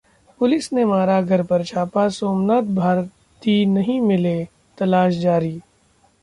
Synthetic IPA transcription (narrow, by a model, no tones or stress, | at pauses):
pʊlɪsnemaːɾaɡʱɐɾpɐɾt͡ʃʰaːpasoːmnaːt̪̚bʱaːɾ | t̪inɐɦĩmɪle | t̪ɐlaːʃ̬d͡ʒaːɾiː